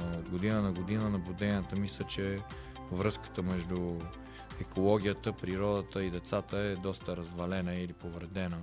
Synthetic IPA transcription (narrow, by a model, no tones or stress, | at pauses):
od̪ɡod̪inənɐɡod̪inənɐblud̪ɛnʲiət̪əmislʲət͡ʃɛ | vɾɤskə̥t̪əmɛʒd̪u | ɛkolˠɔɡʲijət̪əpɾiɾɔd̪ət̪əid̪ɛt̪sat̪əɛd̪ɔst̪əɾɐzvɐlɛnəilipovɾɛd̪ɛnə